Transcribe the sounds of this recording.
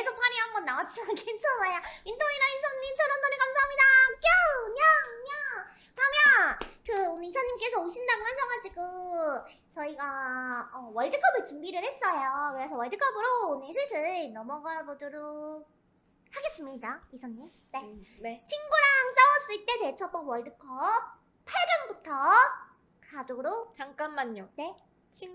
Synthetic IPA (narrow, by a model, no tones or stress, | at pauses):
esʰopʰaɾiɦanɡʌnːawat͡ɕʰimankʰent͡ɕʰʌnajamintʰoŋiɾainsʰʌŋːint͡ɕʰʌnandʌnekamsʰaɦamɲidak͈oɲaɯɲa | kɯɾʌmjʌnkɯonisʰʌɲːimk͈e̞sʰʌoɕʰindaŋɦansʰʌŋɦat͡ɕʰikɯ | t͡ɕʌiɡaʌwʌɭdɯkʰʌbɯɭt͡ɕumbiɾɯɭhe̞s͈ʌjokɯɾe̞sʰʌwʌɭdɯkʰʌbɯɾoːnɯsʰɯsʰɯnʌmʌɡaɭbodɯɾo | haɡe̞s͈ɯmɲidaisʰʌɲim | ne̞net͡ɕʰinɡuɾaŋs͈awʌs͈ɯɭt͈e̞te̞t͡ɕʰʌp͈ʌɡwʌɭdɯkʰʌp̚ | pʰaɭd͡ʑʌnbutʰʌ | kadoɾot͡ɕaŋk͈anmaɲːone̞ | t͡ɕʰi